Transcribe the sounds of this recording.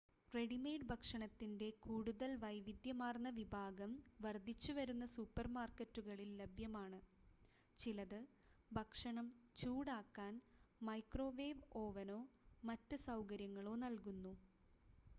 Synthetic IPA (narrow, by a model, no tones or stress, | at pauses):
re̞ɽime̞ːɖbʱɐkʂɐɳɐt̪ːinde̞kuːɽuðɐlʋɐjʋid̪jɐmaːrnːɐʋibʱaːɡɐmʋɐrd̪ʱit͡ɕːuʋɐɾunːɐsupːɐrmaːrkɐtːuɣɐɭilːɐbʱjɐmaːɳɨ | t͡ɕilɐðɨ | bʱɐkʂɐɳɐmt͡ɕuːɽaːkːaːnmɐjkro̞ːʋeːʋo̞ːʋɐno̞ːmɐtːɨsɐwkɐɾjɐŋːɐɭo̞ːnɐlkunːu